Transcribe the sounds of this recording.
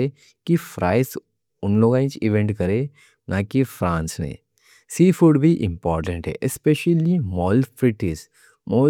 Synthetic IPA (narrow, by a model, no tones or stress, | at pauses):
e | kifɾaːɪs | ʊnloːɡãĩt͡ʃiʋẽɳʈkɐɾe | nʔakifɾãːnsmḛ̃ː | siːfuɖbʱiʔɪ̃mpɔːɾʈə̃ɳʈɦɛ̰ʔespeʃəlimɔːlfɾɪʈiz | moː